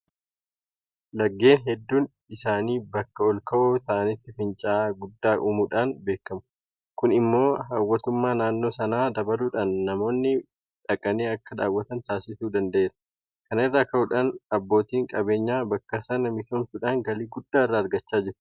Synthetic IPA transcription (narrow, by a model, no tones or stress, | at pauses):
lɐɡːe̞ːnɦɛd̪ːuːn | ɪsaːniːbɐkːɐɔlkɐʔɔt̪ɐʔɐnɪt̪ːɪfɪnt͡ʃʼaːɡʊd̪ːaːʔumuᶑaːnbe̞ːkːɐmʊ̥ | kʊnɪmːo̞ːɦaːwːɐt̪ʊmːaːnaːnːo̞ːsɐnaːd̪ɐbɐluːᶑaːnːɐmo̞ːnːɪ | ᶑɐkʼɐneːɐkːɐᶑ̪aːwːɐt̪ɐnt̪aːsɪsuːd̪ɐnd̪ɐʔeːɾɐ̥ | kɐnɪrːɐːkɐʊᶑaːnɐbːo̞ːt̪iːŋkʼɐbe̞ːɲːaːbɐkːɐsɐnɐmɪk̪ɐmt̪ʊᶑaːŋɡɐliːɡʊd̪ːaːɪrːɐːɾɡɐt͡ʃːaːd͡ʒɪɾ